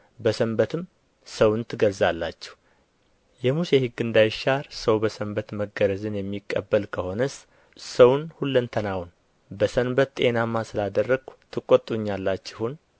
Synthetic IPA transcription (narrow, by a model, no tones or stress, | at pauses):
bəsəmbət̪ʰɨm | səwnt̪ʰɨɡəlzalːat͡ʃːɛ̥h | jɛmuse̞hɨɡːɨnd̪ajɪʃaɾsəwbəsəmbət̪məɡəɾəzɨnjɛmːikʼːəbːəlkʰəho̞nəs | səwnhulːɨnt̪ʰənawn | bəsənbət̪t̪ʼe̞namːasɨlad̪ərːəɡ̥t̪ʰɨkʼot̪ʼːuɲːalːat͡ʃːɪhun